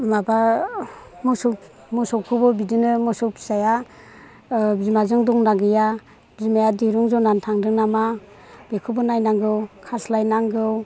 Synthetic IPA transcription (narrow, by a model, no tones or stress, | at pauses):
maba | musɔ | musɔwkʰɯbɔbidɯnɯmɯsɔpʰi̥saja | zimazɯŋdɔŋnaɡɯja | zimajadiɾuŋzɔnantʰaŋdɯŋnama | b̥ekʰubɔnajnaŋɡɯwkʰaslajnaŋɡɯw